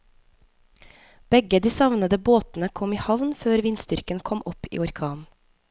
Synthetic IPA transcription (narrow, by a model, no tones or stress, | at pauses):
b̥ɛɡəd̪iːsɑʋnəd̪əboːt̪n̩əkʰɔmiːhɑʋnføːɾʋɪnst̪ʏɾkənkʰɔmʔɔpḭːɔɾkʰɑːn